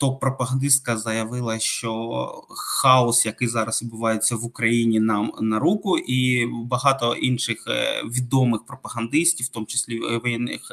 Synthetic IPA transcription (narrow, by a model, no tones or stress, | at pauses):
t̪ok̚pɾɔpɐɦɐnd̪ɪst̪̚kɐzɐjɐʋɪlˠɐʃt͡ʃɔ | xɑɔsjɐkɪjzɑɾɐsʋʲid̪bʊʋɑjet͡sʲːɐʋʊkɾɐjinʲinɑmnɐɾukʊʔibɐɦɑt̪ɔʔinʃɪxʋʲid̪ɔmɪxpɾɔpɐɦɐnd̪ɪsʲtʲiwt̪ɔmʊt͡ʃɪ̥sʲlʲiʋɔjɛnːɪ̰x